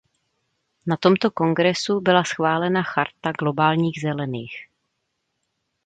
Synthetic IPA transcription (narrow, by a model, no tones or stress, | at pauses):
nat̪o̞mt̪o̞ko̞ŋɡɾɛsubɪlasxvaːlɛnaxaɾt̪aɡlo̞baːlɲiːɣzɛlɛniːx